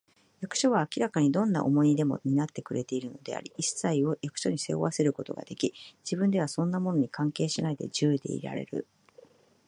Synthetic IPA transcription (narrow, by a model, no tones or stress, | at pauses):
jakɯ̟̥ɕo̞βaːkʲiɾakaɲ̟id̪õ̞nːa̰ʔo̞̰mo̞ɲ̟id̪e̞mo̞̰ɲ̟inat̪ːe̞kɯ̟ɾe̞t̪e̞iɾɯ̟no̞d̪e̞a̰ɾʲiʔisaio̞jakɯ̟̥ɕo̞ɲ̟ise̞o̞̰βase̞ɾɯ̟ko̞t̪o̞ɡa̰d̪̥e̞kʲid͡ʑibɯ̟̃nd̪e̞β̞asõ̞nːamo̞no̞ɲ̟ikãŋke̞ːɕinaid̪e̞̰d͡ʑɨːid̪e̞̰ḭɾa̰ɾe̞̰ɾɯ̟